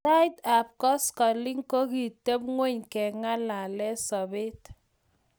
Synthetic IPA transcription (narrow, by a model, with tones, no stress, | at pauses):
ta˦jta˨p̚kɔ˦skɔ˨li˦ŋko˦ki˨te˦p̚ŋwe˦ɲkɛ˨ŋa˦la˨lɛ˦sɔ˨be˦t